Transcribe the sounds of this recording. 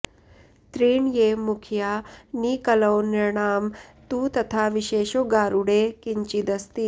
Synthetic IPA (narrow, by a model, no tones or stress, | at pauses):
t̪ɾiːɳjeːmukʰjaːniːkɐlɐwniɾɳaːmt̪uːt̪ɐt̪ʰaːʋiʃeːʃoɡaːɾuɽeːkiɲt͡ʃid̪ɐst̪i